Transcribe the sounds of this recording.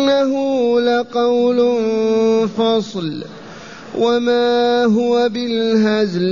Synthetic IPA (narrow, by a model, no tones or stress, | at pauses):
nːaɦʊlaqɑwlnfɑsˤl | wʔamaːɦʊwabɪlɦazl